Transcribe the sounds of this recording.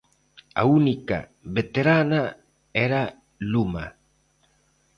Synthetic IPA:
a̰unika̰ | βet̪eɾana | eɾa | luma̰

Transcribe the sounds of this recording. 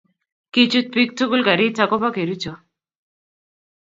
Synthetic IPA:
kit͡ʃut̪̚pik̚t̪ʰukulɡaɾitakɔpakeɾut͡ʃo

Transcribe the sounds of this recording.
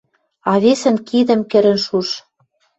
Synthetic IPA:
ɑβesə̆nkid̪ə̆mkɘ̆ɾɘ̆nʃuʃ

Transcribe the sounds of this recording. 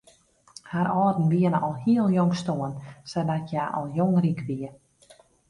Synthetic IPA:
haɾɔːdn̩ʋiənəʔɔlˠhiəlˠjoŋstoənsɛdatʰjaʔɔ̰lˠjoŋrikʋiə

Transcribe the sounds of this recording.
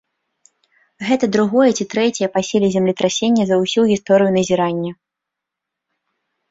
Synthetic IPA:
ɣɛt̪ɐd̪ɾuɣɔjɛt͡sʲit̪ɾɛt͡sʲɛjɛpasʲelʲizʲɛmlʲit̪ɾasʲenʲːɐzɐwsʲuɣʲist̪ɔɾɨjunɐzʲiɾanʲːɐ

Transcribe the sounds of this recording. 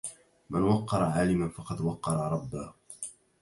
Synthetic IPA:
manwɑqːɑɾˤɑʕaːlɪmanfɑqɑd̪wɑqːɑɾˤɑɾˤɑbːaː

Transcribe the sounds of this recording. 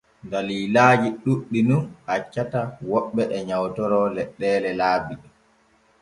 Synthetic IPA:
daliːlaːd͡ʒiɗuɗːinunhat͡ʃːatawɔɓːɛʔɛɲawtɔɾɔlɛɗːɛːlɛlaːbiɗɛ

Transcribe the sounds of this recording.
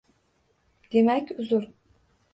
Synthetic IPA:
d̪̥emɛcyzyɾ

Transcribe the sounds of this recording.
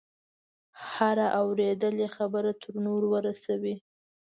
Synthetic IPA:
haɾaʔawɾed̪əlexabəɾat̪ʰəɾnoɾwəɾasawi

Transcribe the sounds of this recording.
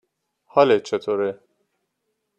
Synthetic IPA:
hɒlet͡ʃʰet̪ʰoːɾe

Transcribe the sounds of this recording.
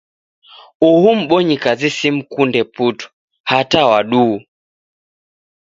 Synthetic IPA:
uhum̩ɓɔɲikazisim̩kundɛputu̥ | hatawaɗuː

